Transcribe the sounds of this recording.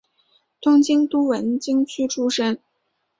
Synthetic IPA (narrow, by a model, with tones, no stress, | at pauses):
t̪ʰʊ˥ŋt͡ɕi˥ŋt̪u˥wə˧˥nt͡ɕi˥ŋt͡ɕʰy˥ʈ͡ʂʰu˥ʂə˥ŋ